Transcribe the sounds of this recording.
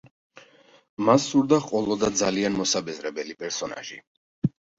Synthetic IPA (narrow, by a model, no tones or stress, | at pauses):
masːuɾd̪aχqʼwɔlˠɔd̪ad̪zalianmɔsabɛzɾɛbɛlipʼɛɾsɔna̰ʒi